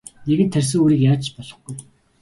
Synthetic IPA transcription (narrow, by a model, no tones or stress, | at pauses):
neɣɘ̆nt̪ʰːærʲs̬ɘ̆ŋoːɾiːkjaːt͡ɕt͡ɕpɔɮɞ̆χɡuj